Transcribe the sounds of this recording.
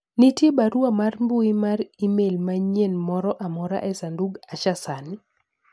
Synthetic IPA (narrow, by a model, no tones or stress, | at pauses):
nitjebaɾuamarmbuimaɾimelmaɲenmɔɾɔʔamɔɾa̰ʔɛsanduɡaʃasani